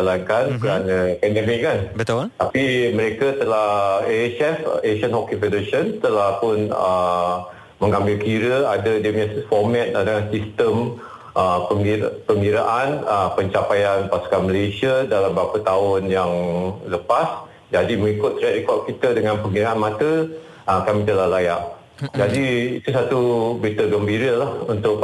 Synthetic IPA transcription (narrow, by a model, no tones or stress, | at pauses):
alankankəɾanə̃pɛndəmik̚kanbət̪t̪apiməɾekat̪əlahet͡ʃɛfeʃənhokifɛdəɾeʃənt̪əlahpʊnə | məŋambɪlkiɾəadədəmasfɔmɛt̪̚adəansist̪əm | ʔəpəŋpəŋɡiɾaʔanəpəɲt͡ʃapajanpasu̥kanməlesiadalambapət̪aʊnjaŋləpas | d͡ʒadiməŋikʊt̪ːɾɛʔikɔʔ̚kit̪ədəŋãnpəŋɡiɾaʔanmãt̪ə | əkamĩt̪̬əlahlajaʔ | d͡ʒadiit̪usat̪ubɾit̪əɡəmbiɾəlahunt̪ʊk̚